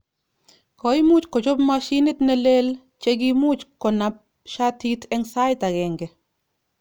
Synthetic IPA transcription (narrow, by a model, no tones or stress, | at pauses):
kɔimut͡ʃkɔt͡ʃɔpmaʃinɪtnɛlel | t͡ʃeɡimut͡ʃkɔnap̚ | ʃatitɛŋsajtaɡɛŋɡɛ